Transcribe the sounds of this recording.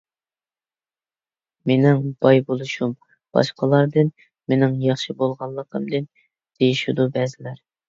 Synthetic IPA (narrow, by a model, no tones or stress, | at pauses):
menɪŋb̥ɑjbolˠuʃum | b̥ɑ̰ʃqʰəlˠɑɾd̪ɨn | menɪŋjɑχʃibolˠʁɑnlˠːəqʰəmd̪ɨn | d̪̥ejiʃud̪ubɛzɪlæɾ